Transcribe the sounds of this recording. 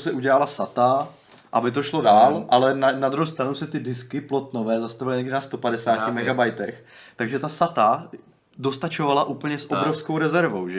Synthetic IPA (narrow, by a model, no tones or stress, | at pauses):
sɛʔuɟɛlalasat̪a | ʔa̰bɪt̪̬o̞ʃlo̞daːlʔalɛnanad̪ɾuɦowst̪ɾanowsɛt̪ɪdɪskɪplo̞t̪novɛːzast̪avɪlɪɲɛɡdɪnast̪o̞padɛsaːcɪmɛɡabajt̪ɛx | t̪aɡʒɛt̪asat̪a | do̞st̪at͡ʃo̞valaʔuːpl̩ɲɛsʔobɾo̞fsko̞wɾɛzɛɾvowʒɛ